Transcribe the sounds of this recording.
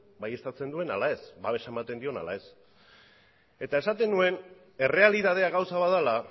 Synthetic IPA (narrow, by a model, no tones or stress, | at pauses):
baje̞st̪at͡se̞nd̪ue̞nalae̞sbaβe̞ʃae̞mat̪e̞nd̪io̞na̰la̰e̞s | e̞t̪ae̞sat̪e̞nue̞n | e̞re̞aliðað̞eaɣawsaβaðala